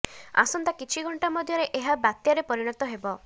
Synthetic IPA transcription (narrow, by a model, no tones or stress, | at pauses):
a̰sɔnt̪akit͡ʃʰiɡʱɔɳʈamɔd̪ʱjɔɾeʔeɦabat̪jaɾepɔɾiɽ̃ɔt̪ɔɦebɔ